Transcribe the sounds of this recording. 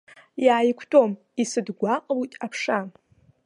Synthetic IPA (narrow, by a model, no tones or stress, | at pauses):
jaːjkʷʰtʼom | isɨdɡʷaqʼlujtʼapʰʂam